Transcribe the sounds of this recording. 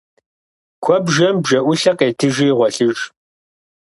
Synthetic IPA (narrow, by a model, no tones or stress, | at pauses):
kʷʰɔbʒɐmbʒɐʔʷʊɬɐqeːtʰɨʒijʁʷɔɬɨʒ